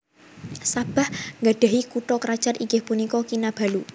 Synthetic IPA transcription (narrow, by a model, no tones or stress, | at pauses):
sab̥a̤hŋɡaɖ̥a̤ɦikuʈɔkɾḁt͡ʃarʔiɡehpunikɔkinab̥a̤lu